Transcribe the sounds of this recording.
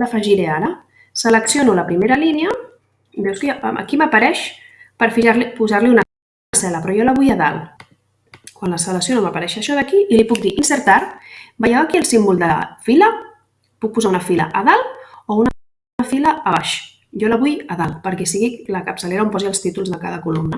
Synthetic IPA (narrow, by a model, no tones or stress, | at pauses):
ləfəʒiɾeaɾə | sələksjonuləpɾimeɾəliniə | bɛwskəə̰kiməpəɾɛʃ | pəɾfiʒaɾlipuzaɾliunə | sɛləpɾɔjɔləβujəða̰lˠ | kwanləsələksionoməpəɾɛʃəʃɔðəkiʔilipuk̚d̪iʔinsəɾt̪aɾbəjawaəkiəlˠsimbulˠd̪əfilə | puk̚puzaunəfilə̰ʔəðalˠoun | əfiləːβaʃ | jɔləβujəðalˠpəɾkɛsiɣikləkəpsəleɾɐompɔziəlˠst̪it̪ulˠzðəkaðəkulumnə